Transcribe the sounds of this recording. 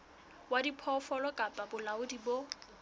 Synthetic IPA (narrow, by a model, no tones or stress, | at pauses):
wadipʰɔfɔlɔkʼapʼabʊlaʊdibo